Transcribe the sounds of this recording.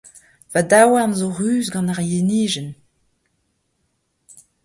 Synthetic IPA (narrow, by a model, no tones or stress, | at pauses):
vadawaʁnzoʁyːzɡɑ̃naʁjeniːʒən